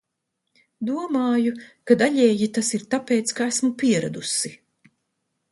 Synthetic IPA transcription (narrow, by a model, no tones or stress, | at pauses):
d̪uɔmaːjukad̪aʎʲɛːjit̪asiɾt̪apeːt̪skaæsmupiɛɾa̰d̪usi